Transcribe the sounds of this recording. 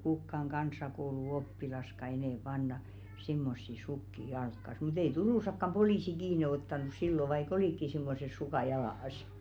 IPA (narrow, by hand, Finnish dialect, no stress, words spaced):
kukːɑŋ ɡ̊ɑnsˑɑkouluopːilɑskɑ enɛˑ pɑnːɑ simːosːi sukːi jɑlkːɑs mut ei turuˑsɑkːɑm poliˑsi kiːne otːɑnus silːo ʋɑik oliˑkːi simːoses sukɑˑ jɑlɑs